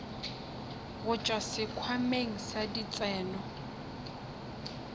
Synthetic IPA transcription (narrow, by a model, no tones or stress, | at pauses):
ɣʊt͡ʃʼwasɪkʰwameŋ̩sadit͡sʼɛːnɔ